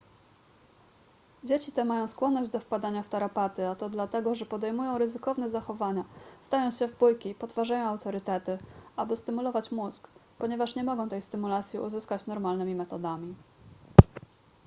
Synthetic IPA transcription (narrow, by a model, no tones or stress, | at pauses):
d͡ʑet͡ɕit̪ɛmajɔ̃w̃skwɔnːɔʑd͡ʑd̪ɔfpad̪aɲaft̪aɾapat̪ɘat̪ɔd̪lat̪ɛɡɔʐɛpɔd̪ɛjmujɔ̃w̃ɾɘzɘkɔvn̪ɛzaxɔvaɲav̥d̪ajɔ̃w̃ɕɛvbujkʲipɔt̪vaʐajɔ̃w̃awt̪ɔɾɘt̪ɛt̪ɘabɘst̪ɘmulɔvat͡ɕmuzkpɔɲɛvaʂɲɛmɔɡɔ̃w̃t̪ɛjst̪ɘmulat̪sʲjiṵzɘskat͡ɕnɔɾmalnɘmʲimɛt̪ɔd̪amʲi